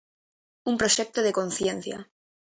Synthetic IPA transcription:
umpɾoʃek̚t̪oðekonθjẽn̟θja̰

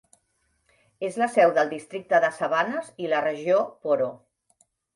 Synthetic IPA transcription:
ezləsɛwðəlˠd̪ist̪ɾik̚t̪əðəsəβanəzilərəʒiopoɾo

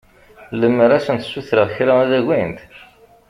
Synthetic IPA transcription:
ləmːəɾæsənt̪suθɾəʁçlææðæʝint̪

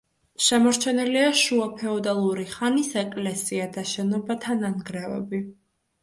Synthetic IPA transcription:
ʃɛmɔɾt͡ʃʰɛniliaʃuapʰɛɔd̪alˠuɾiχanisɛkʼlɛsiad̪aʃɛnɔbat̪ʰananɡɾɛvɛ̰bi

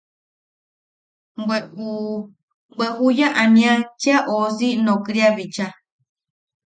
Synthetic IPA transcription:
eu | ɡ͡beɦujaʔãnĩãt͡ʃiaʔoːsinõkɾiaβit͡ʃa

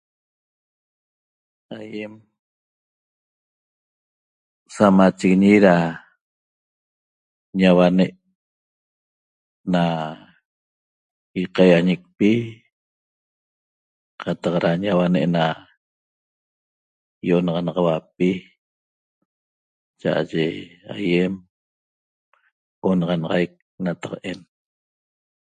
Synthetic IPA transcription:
ajem | samat͡ʃeɣiɲiɾa | ɲawaneʔ | na | iqajaɲek̚pi | qat̪ɑqɾaɲawanḛʔna | joʔonɑʁɑnɑʁɑwap̚i | t͡ʃa̰ʔa̰ʒea̰jem | onɑʁɑnɑʁajk̚ | nat̪ḁqen

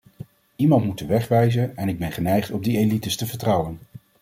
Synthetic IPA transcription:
imɑntmutəʋɛχʋɛjzənɛnɪɡ̚bɛnχənɛjχtɔmdielitəstəvəɹtrɑwən

